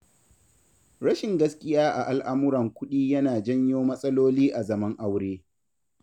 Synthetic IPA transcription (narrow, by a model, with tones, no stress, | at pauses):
ɾɐ˦ʃɪ˨ŋɡɐ˦skʲʼɪ˦jaː˦ʔa˨ʔa˨lʔa˦mʊ˦ɾɐ˨ŋkʷʊ˦ɗiː˦jɐ˦naː˨d͡ʒɐ˦ɲjoː˦mɐ˦sʼɐ˦loː˦liː˦ʔa˨zɐ˦mɐ˦ŋʔa˦wɽeː˦